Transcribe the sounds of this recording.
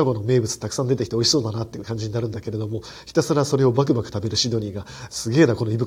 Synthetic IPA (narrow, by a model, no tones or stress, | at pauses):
aɡo̞no̞me̞ːbɯ̟t͡sɨ̥t̪akɯ̟̥sãnd̪e̞t̪e̞kʲi̥t̪eo̞iɕiso̞ːd̪anat̪ːeɯ̟kãɲ̟d͡ʑiɲ̟inaɾɯ̟nd̪ake̞ɾe̞d̪o̞mo̞ | çi̥t̪asɨɾaso̞ɾe̞o̞bak̬ɯ̟bakɯ̟̥t̪abe̞ɾɯ̟ɕid̪o̞ɲ̟ʲiɡa | sɨɡe̞ːnako̞no̞ibɯ̟